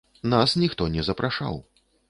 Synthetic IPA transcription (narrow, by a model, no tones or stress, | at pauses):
nasnʲixt̪ɔnʲɛzɐpɾʔaʂa̰w